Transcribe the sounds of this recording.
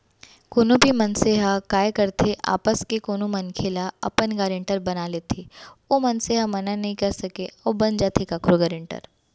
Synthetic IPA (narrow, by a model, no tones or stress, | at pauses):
koːnõbʱimɐnseɦakaːjkɐɾt̪ʰeʔa̰ːpəskekoːnomɐnkʰeːlaɐ̰pənɡaːɾɪ̃ɳʈəɾbɐnaːlet̪ʰeːoːmɐnseɦamɐnanɐɦĩkɐɾsɐkẽɔːbɐnd͡ʒaːt̪ʰekaːkɾoɡaːɾɪ̃ɳʈə̰ɾ